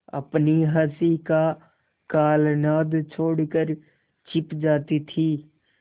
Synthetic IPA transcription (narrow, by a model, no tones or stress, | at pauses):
ə̰pniɦəsika | kaːlnaːd̪t͡ʃʰoːɽkəɾ | t͡ʃɪpd͡ʒaːt̪it̪ʰi